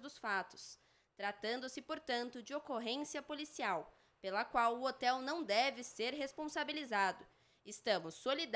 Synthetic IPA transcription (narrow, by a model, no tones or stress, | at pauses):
d̪ʊsfat̪ʊ̥s | t̪ɾat̪ɐ̃nd̪ʊsɪpoɾt̪ɐ̃nt̪ʊd͡ʒɪokoɦẽsiɐpolisiaw | pelɐkwawʊot̪ɛwnɐ̃w̃d̪ɛvɪseɾɦespõsabilizad̪ʊ | ɪst̪ɐ̃mʊsːolid̪